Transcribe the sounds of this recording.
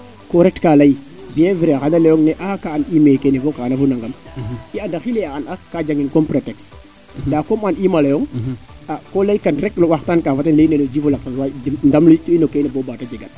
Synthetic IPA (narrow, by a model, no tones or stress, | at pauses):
koɾetkalaibijẽviɾeɣanalejoŋneʔakaːnimekenevokaanafunaŋɡamiandaxileaanakad͡ʒaŋinkompɾeteks | dakomanimalajoŋ | akolaikanɾeklowaxtankafatenlenelod͡ʒifulakawadndamltuinokenebobatad͡ʒeɡan